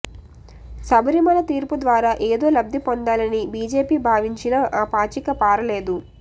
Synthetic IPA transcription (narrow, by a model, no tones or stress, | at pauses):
sɐbɐɾimɐlɐt̪iːɾpud̪ʋaːɾaːʔeːd̪o̞ːlɐb̚d̪ʱipond̪aːlɐnibiːd͡ʒe̞ːpiːbʱaːʋiɲt͡ʃinɐʔaːpaːt͡ʃikɐpaːɾɐle̞ːd̪u